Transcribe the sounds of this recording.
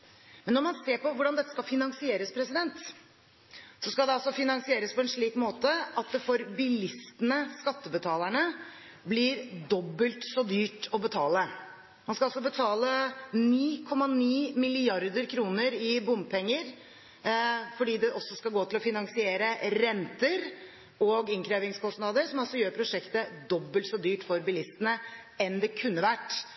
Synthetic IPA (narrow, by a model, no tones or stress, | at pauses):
mɛnːɔɾmɑnseːɾpʰɔʋʊɖɑnd̪ɛt̪ːə̥skɑlfɪnɑŋsɪeːɾəspʰɾɛsɪd̪ɛnt̪ | sɔskɑld̪ɛɑlsɔfɪnɑŋsɪeːɾəspʰɔɛnʂɭiːkmoːt̪əɑt̪̚d̪ɛfɔɾbɪlɪst̪ənəskɑt̪ːəbət̪ʰɑːləɳə | blɪɾd̪ɔbːəlt̪sɔd̪yːʈɔbət̪ʰɑːlə | mɑnskɑɑlsɔbət̪ʰɑːləniːkʰɔmːɑniːmɪlɪɑɾd̪əɾkʰɾuːnəɾɪbʊm̚pʰɛŋːəɾ | fɔɖiːd̪ɛʔɔsːɔskɑɡoːt̪ʰɪlɔfɪnɑŋsɪeːɾəɾɛnt̪əɾ | ɔɡɪŋkʰɾeːʋɪŋskʰɔst̪nɑd̪əɾsɔmɑlsɔjøːɾpʰɾʊʂɛkt̪əd̪ɔbːəlt̪sɔd̪yːʈfɔɾbɪlɪst̪ənə | ɛnd̪ɛkʰʉnːəʋæʈː